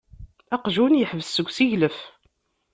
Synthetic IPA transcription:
æqʒunjəħvəssəɡʷsiʝləf

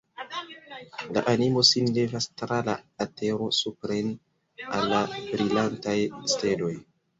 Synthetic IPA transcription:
la̰ʔanimo̞sinlevastɾala̰ːte̞ɾo̞supɾen | alːabɾilantajste̞lo̞j

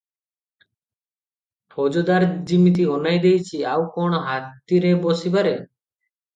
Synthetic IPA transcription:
pʰɔd͡ʒɔd̪aɾd͡ʒimit̪̬iɔnajd̪ejt͡ʃʰiawkɔɽ̃ɔɦatt̪iɾebɔsibaɾe

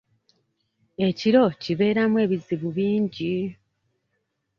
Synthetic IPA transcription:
e̞ciɾo̞ciβe̞ːɾamwe̞ːβiziβuβiːɲɟi

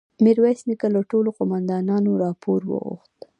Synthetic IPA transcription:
miɾwasnikalaʈoloqʊmand̪ɑnɑnoɾɑpoɾwə̰ɣṵxt̪

